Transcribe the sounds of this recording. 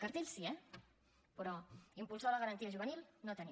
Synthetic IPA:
kəɾt̪eʎsiɛ | pɾɔimpulˠsaləɣəɾənt̪iəʒuβənilˠnot̪əni

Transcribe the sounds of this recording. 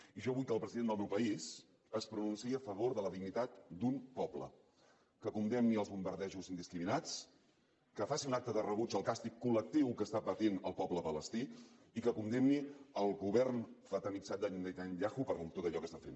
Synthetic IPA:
iʒɔβujkəlˠpɾəziðend̪əlˠmɛwpəiz | əspɾununsiəfəβoɾðələðiɡnit̪at̪d̪umpɔblə̰ | kəkund̪ɛmniəlˠzβumbəɾðɛʒuzind̪iskɾiminat͡s | kəfasiunak̚t̪əðərəβud͡ʒəlˠkast̪ikːulək̚t̪iwkəst̪apət̪inəlˠpɔbləpələst̪i | ikəkund̪ɛmniəlˠɣuβɛrnfət̪əniksad̪aɲund̪ejt̪aɲʎaxupəɾt̪ot̪əʎɔkəst̪afḛn

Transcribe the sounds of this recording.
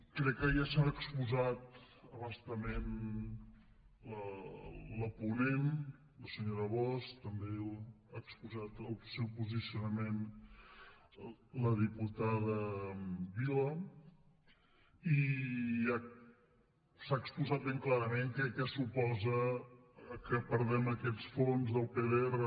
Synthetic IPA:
kɾɛkːəjasaəkspuzat̪ | əβəst̪əmen | lə | ləpunen | ləsəɲoɾəβɔst̪əmbe | aəkspuzat̪əlˠsɛwpuzisiunəmen | ləðiput̪aðə | βilə | i | a | saːkspuzat̪̚beŋklaɾəmeŋkɛkɛsupɔzə | kəpəɾðɛməkɛt͡ssfonzðəlˠpeðeerə

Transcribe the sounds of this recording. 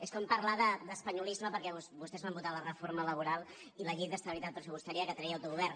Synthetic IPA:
eskɔmpəɾlaðəd̪əspəɲulizməpəɾkɛβusbust̪ɛzβambut̪alərəfoɾmələβ̞uɾalˠ | iləʎej̚d̪əst̪əβilit̪at̪̚pɾəsupust̪aɾiəkət̪ɾɛjəwt̪uɣuβɛrn

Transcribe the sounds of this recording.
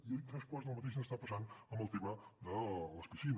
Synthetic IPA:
it̪ɾaspɔznəlˠmət̪eʃ̬nəst̪apəsanəmbəlˠt̪iβad̪ələspiʃin

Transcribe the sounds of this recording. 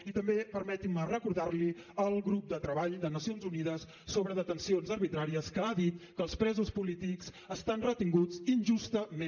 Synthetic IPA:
it̪əmbepəɾmɛt̪imərəkuɾðarliəlˠɣɾup̚d̪ət̪ɾəβaʎd̪ənəsionzunið̞əsːoβɾəðət̪ənsionzəɾβit̪ɾaɾiəskəaðit̪kəlˠspɾɛzuspulit̪ikz | əst̪anrət̪iŋɡud͡zinʲʒust̪əme

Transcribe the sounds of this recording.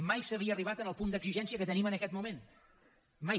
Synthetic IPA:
majsəβ̞iəːriβ̞at̪ənəlˠpund̪əɡziʒɛnsiəkət̪ənimənəkɛt̪mumen | ma

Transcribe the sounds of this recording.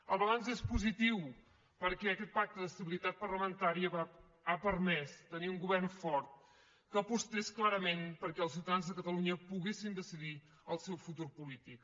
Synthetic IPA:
əlˠβəlanzespuzit̪iw | pəɾkɛəkɛt̪̚pak̚t̪əðəst̪əβilit̪at̪̚pərləmənt̪aɾiəa | apəɾmɛst̪əniuŋɡuβɛrnfɔɾt̪̚ | kəːpust̪esklaɾəmenpəɾkɛəlˠs̬iwt̪əðanzðəkət̪əluɲəpuɣesind̪əsiði | əlˠsɛwfut̪uɾpulit̪ik

